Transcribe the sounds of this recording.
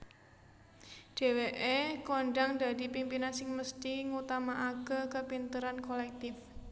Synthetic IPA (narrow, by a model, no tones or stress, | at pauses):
ɖ̪̥e̤weʔekoɳɖaŋd̪a̤d̪i̤pimpinansɪŋməst̪iŋut̪amaʔakəkəpint̪əɾankolɛk̚t̪ɪf